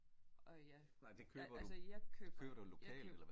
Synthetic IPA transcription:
jæ | nɑ̈ɪd̥e̝kʰøːb̥ɐd̥usjɑkʰø̥kʰø̰ːb̥ɐd̥ulo̝kʰɛ̰ːld̥elɐ

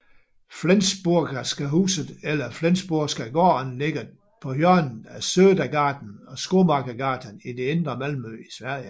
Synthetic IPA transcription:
flensb̥uɐ̰ɡ̥ɐsɡ̥æɦṵːsð̩ˠelɐflensb̥uɐsɡ̥ɐiɡ̥ɒːnle̝ɡ̥ɐ | pʰɒ̽hjœɐnn̩æsøːdæɡ̥ɑ̈ːd̥n̩ɒ̽sɡ̥o̝ːmɑ̈ːɡ̥ɐɡ̥ɑ̈ːd̥ʰənid̥e̝end̥ʁɐmælmøisʋæɐ̰jə

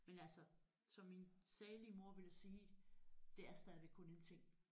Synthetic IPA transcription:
menælsɒ | sɒ̽mːinsɛːliəmo̝ɐ̰ʋe̝læsiːd̥e̝æɐsd̥ɛð̞ˠʋeɡ̥̚kʰɔ̽ne̝nt͡sʰe̝ŋ̰

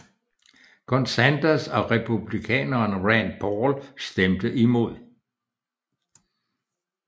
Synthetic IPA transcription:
kʰɔnsænd̥æsɒ̽ʁɛpʰub̥likʰɛ̰ːnɐːnʁɛnpʰɒːlsd̥emd̥əʔimo̝ð̞̰ˠ

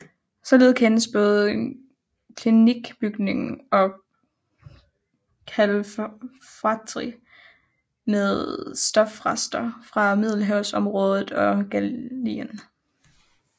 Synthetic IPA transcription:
sɒ̽leð̞̩ˠkʰenəsb̥ɔ̽ːð̞̩ˠ | kʰliniɡ̥b̥yɡ̥ne̝ŋɒ̽ | kʰæl | fɑt͡sʰʁi | meðˠsd̥ɒ̽fʁɑsd̥ɐfʁɑ̈mið̞ˠl̩ɦæʊsɒ̽mʁɔ̽ːð̞ˠð̩ˠɒ̽ɡ̥æliən

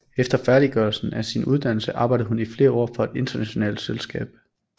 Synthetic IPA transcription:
efd̥ɐfæɐɾ̥iɡ̥ɶɐlsn̩æsinuð̞ˠd̥æn̰l̩səʔɑ̈ːb̥ɑ̈ɪ̰dð̩ɦhunifle̝ːɐɒ̰ːfɒ̽e̝d̥e̝nd̥ɐnæɕo̝nɛ̰ːld̥selsɡ̥ɛ̰ːb̥

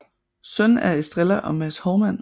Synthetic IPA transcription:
sœnæɐe̥sd̥ʁelɐʔɒ̽mæshɒʊmæn̰

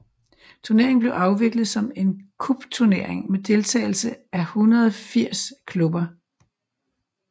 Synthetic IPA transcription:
t͡sʰuɐne̝ɐeŋ̩b̥le̝ʊʔɑ̈ʊʋe̝ɡ̥lð̞̩ˠsɒ̽me̝nkʰub̥t͡sʰuɐne̝ɐ̰e̝ŋmed̥e̝lt͡sʰɛ̰ːɪl̩səæhunɐðˠɒfiɐ̰skʰlub̥ɐ

